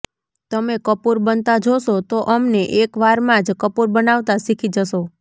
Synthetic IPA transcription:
t̪əmekəpuɾbənt̪ad͡ʒoʃot̪oʔəmneʔekʋaɾmãd͡ʒkəpuɾbənaʋt̪asikʰid͡ʒəʃo

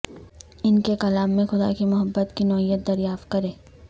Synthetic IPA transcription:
ɪnkekɐlaːmːẽxʊd̪a̰kimʊɦəbːət̪kinɔːɦijət̪̚d̪ɐɾjaːft̪̚kɐɾẽː

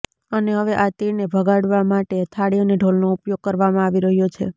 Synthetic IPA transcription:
əneɦəʋeʔat̪inebʱəɡaɽʋamaʈet̪ʰaɽiəneɖʱolnoupjoɡ̚kəɾʋamãaʋiɾəɦjot͡ʃʰḛ

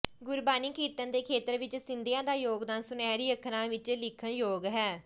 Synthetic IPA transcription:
ɡʊɾbaːniːkiːt̪ənd̪eːkʰeːt̪əɾʋɪt͡ʃsɪnd̪ɪjãːd̪aːjoːɡd̪aːnsʊnɛːɾiːəkʰɾãːʋɪt͡ʃlɪkʰənjoːɡɦɛː

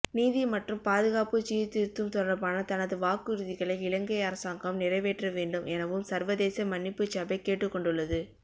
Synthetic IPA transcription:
niːðimɐʈrɯmpaːðɯɣaːpɯt͡ʃiːt̪ːɪɾt̪ːɯmt̪ɔɽɾɐpaːnɐt̪ɐnɐðɯʋaːkɯɾɯðɪɣɐɭɐɪɪlɐŋɡɐjɐɾɐsaːŋɡɐmnɪrɐɪʋeːʈrɐʋeːɳɖɯmɛnɐʋɯmsɐɾʋɐðeːsɐmɐnːɪpːɯt͡ʃːɐbɐɪkeːʈːɯkːɔɳɖɯɭːɐðɯ

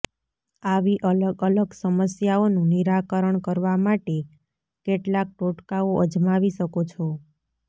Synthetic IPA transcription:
aʋiʔələɡələɡsəməsjaonũniɾakəɾəɳkəɾʋamaʈe | keʈlak̚ʈoʈkaoʔəd͡ʒmaʋiʃəkot͡ʃʰo

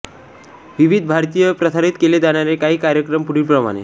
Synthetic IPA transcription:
ʋiʋid̪̚ʱbʱaɾt̪ijəpɾəsʰaɾit̪keled͡z̪aɽ̃jaɾekaɦiːkaɾjəkɾəmpuɽipɾəma̰ɽ̃ḛ

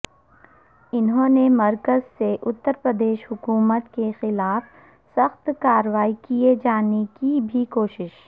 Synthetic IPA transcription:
ɪnɦõːnemɐɾkəzseʔʊt̪ːəɾpɾəd̪eːʃɦʊkuːmət̪kexɪlaːf | sɐxt̪kaːɾəʋaːikied͡ʒaːnekibʱikoːʃɪʃ

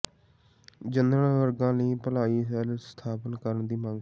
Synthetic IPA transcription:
d͡ʒənd̪ɾəɳʋəɾɡãːləiːpəlaːiːsɛːlst̪ʰaːpənkəɾənd̪iːmə̃ŋɡ

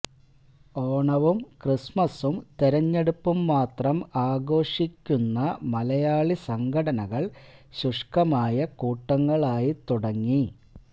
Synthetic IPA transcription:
o̞ːɳɐʋumkrismɐsumt̪eɾɐɲːe̞ɽupːumːaːt̪rɐmaːɡo̞ːʂikʲːunːɐmɐlɐjaːɭisɐŋɡʰʱɐɽɐnɐɣɐɭɕuʂkɐmaːjɐkuːʈːɐŋːɐɭaːjit̪uɽɐŋːi

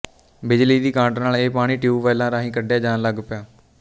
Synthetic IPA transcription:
bɪd͡ʒliːd̪iːkãːʈnaːleːpaːɽ̃iːʈiuːʋɛːlãːɾaːɦĩːkəɖjaːd͡ʒaːnləɡpɪjaː

